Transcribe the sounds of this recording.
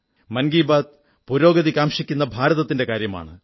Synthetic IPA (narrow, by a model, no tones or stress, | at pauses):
mɐnɡiːbaːd̪̚ | puɾo̞ːɡɐðikʲːaːmʂikʲːunːɐbʱaːɾɐðɐt̪ːinde̞kaːɾjɐma̰ːɳɨ